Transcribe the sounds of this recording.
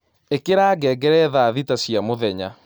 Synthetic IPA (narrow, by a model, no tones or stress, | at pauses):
ekeɾaːɡɛːɡɛɾɛðaːðitasjamoðɛɲa̰